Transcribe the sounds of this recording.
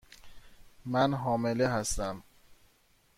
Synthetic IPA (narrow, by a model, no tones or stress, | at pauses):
mænɦɒːmeleɦæst̪æm